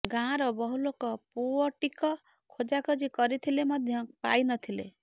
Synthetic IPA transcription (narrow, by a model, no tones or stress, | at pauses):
ɡãɾʌbʌɦulokɔpuɔʈikʌ | kʰod͡ʒakɔd͡ʒikʌɾit̪ʰilemʌd̪ʱjʌpa̰jnʌt̪ʰilḛ